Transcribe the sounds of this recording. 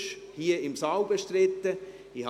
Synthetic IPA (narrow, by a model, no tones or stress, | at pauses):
ʃhiːəɪmsɑʊbəʃtɾɪt̪ːə | ih